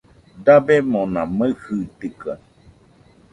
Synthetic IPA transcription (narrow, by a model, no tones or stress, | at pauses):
d̪abemõnãməhɨt̪ika̰